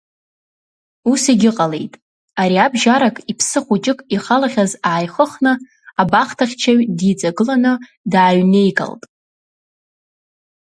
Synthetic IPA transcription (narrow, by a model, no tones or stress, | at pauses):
usiɡʲɪqʼale̞̰jtʼ | aɾiabʒaɾakʼipʰsɨχʷut͡ʃʼɪkʼiχalaχʲazaːjχəχnɨ | abaχtʰaχʲt͡ʃʰaɥdit͡sʼaɡɨlanɨ | daːɥne̞jɡa̰ltʼ